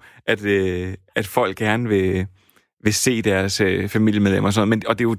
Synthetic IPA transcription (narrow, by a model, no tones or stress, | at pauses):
ʔæd̥øæd̥fɒ̽l̰ɡ̥ːæɐnəʋe̝ | ʋe̝se̝̰ːd̥æɐsøfæmil̰jəmeð̞ˠlem̰ɐɒsɒ̽nð̩ˠmenɒ̽d̥e̝jo̝